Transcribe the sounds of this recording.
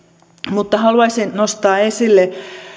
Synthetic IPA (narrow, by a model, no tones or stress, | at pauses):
mut̪ːɑhɑluɑisinnost̪ɑːesilːe